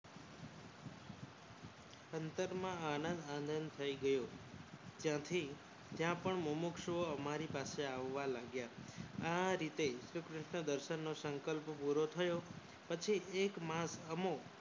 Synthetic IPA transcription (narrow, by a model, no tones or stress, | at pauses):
ənt̪əɾmãanə̃nd̪annd̪ʱənd̪t̪ʰəiɡəjo | d͡ʒjãt̪ʰi | d͡ʒjãpəɳməmukʃoəmaɾipaseaʋːalaɡjaaɾit̪esɾikɾɪʃɳəd̪əɾʃənːosəŋkəlppuɾot̪ʰəjo | pət͡ʃʰiekmãsəmo